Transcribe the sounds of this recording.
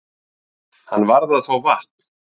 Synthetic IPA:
hanːvaɾðaðθowvaht̪

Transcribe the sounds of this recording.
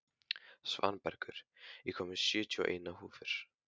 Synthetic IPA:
sva̰npɛɾkʏɾ̥ikʰɔːmɪ̥sjʏːt̪ʰiɔʔeːjnaɦuːfɪɾ̥

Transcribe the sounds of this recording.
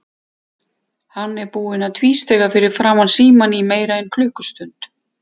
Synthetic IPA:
hanːɛɾpuːɪnaðt̪ʰviːst̪ɛɣafɪɾɪɾ̥fɾaːmansiːmanimeːjɾaejnkʰlʏːhkʏ̥st̪ʏnt̪

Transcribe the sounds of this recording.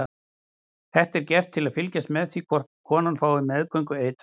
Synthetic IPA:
θɛht̪ɛɾcɛft̪ʰːɪlaðfɪlcɛst̪mɛðθikʰɔr̥t̪kʰɔːnanfaːwɪmɛðkœɥjŋkʏeːjt̪

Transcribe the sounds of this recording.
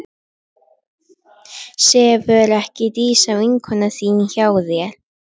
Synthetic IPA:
sɛːvœɾɛhcɪt̪iːsavɪŋkʰhɔnasiːnçaːwðjɛɾ

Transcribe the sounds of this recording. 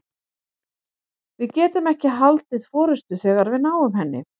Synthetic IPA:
vɪðcɛːt̪ʏmɛhcɪɦalt̪ɪðfɔːɾɪst̪ʏθɛːɣaɾvɪðnaːwʏmɦɛnːɪ̰

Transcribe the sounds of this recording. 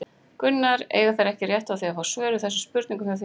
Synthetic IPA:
kʏnːaɾḛːjɣaθajɾɛhcɪrjɛht̪aθiafawsvœːɾʏθɛsːʏspʏɾt̪niŋkʏmfaθ

